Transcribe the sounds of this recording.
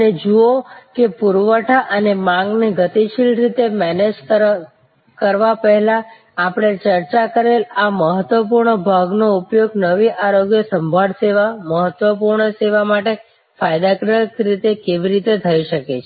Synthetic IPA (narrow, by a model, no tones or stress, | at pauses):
əned͡ʒuokepuɾʋəʈʰaʔənemãŋɡniɡət̪iʃilɾit̪emɛned͡ʒ | kəɾʋapəɦɛlaː | pɽ̃et͡ʃəɾt͡ʃakəɾelaməɦət̪ʋəp̬uɾɳəbʱaɡnoupjoɡnəʋiʔaɾoɡjəsəmbʱaɭseʋaməɦət̪ʋəpuɾɳəseʋamaʈe | fajd̪akɾəkɾit̪ekeʋiɾit̪et̪ʰəiʃəket͡ʃʰe